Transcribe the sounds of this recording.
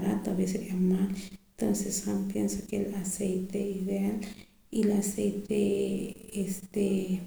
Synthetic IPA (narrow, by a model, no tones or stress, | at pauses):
ɾat̪oaβeseɾeamalt̪onsesampjensokelasejt̪eiðeal | ilasejt̪e | est̪e